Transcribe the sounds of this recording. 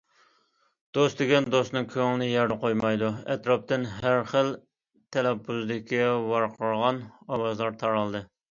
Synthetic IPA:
d̪̥ost̪d̪ɪɡʲɛnd̪osnɨŋkʲʰøŋnɪjɛɾd̪əqojmɑjd̪uɛ̰t̪ɾɑp̚t̪ɪnɦæɾχəl | t̪ʰɛlɛpːuzd̪ɪkʲʰiwɑɾqʰəɾʁɑnɑwɑzlˠɑɾt̪ʰɑɾɑlˠd̪ɨ

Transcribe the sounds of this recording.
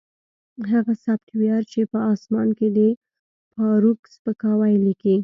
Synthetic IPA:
ɦaɣasabʈ̪wjɑɾt͡ʃepəɑsmɑnked̪ə | pɑɾukspəkɑwajliki

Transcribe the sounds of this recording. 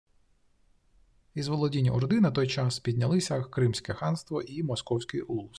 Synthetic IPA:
izʋɔlˠɔdʲinʲiʔɔrd̪ɪnɐt̪ɔjt͡ʃɑspʲid̪ʲnʲɐlˠɪsʲɐkɾɪmsʲkɛxɑnst̪ʋɔʔimɔskɔwsʲkɪjulˠʊs

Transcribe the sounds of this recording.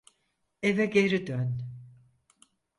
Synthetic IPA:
evɛɡe̞ɾid̪øn

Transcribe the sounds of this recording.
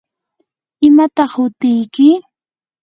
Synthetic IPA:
ɪmat̪ɑχhʊt̪ɪjkɪ

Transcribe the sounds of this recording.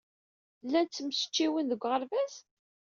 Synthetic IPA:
lːænt͡sːəmsə̥t͡ʃːiwənðəɡʷːʁəɾvæz

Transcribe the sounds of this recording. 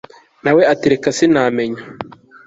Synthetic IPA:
naweatiɾekasinaːmeɲa

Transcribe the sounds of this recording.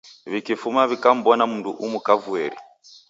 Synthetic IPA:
βikifumaβikam̩bɔnamuntṵʔumukavueɾḭ

